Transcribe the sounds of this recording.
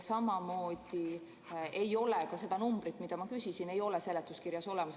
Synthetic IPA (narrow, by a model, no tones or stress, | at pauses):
sɑmɑmo̞ːd̪̥i | e̞jo̞lekɑse̞d̪̥ɑnumb̥ɾit̪ːˑmid̪̥ɑmɑkysisine̞jo̞lese̞let̪ːˑuskirjɑso̞le̞mɑs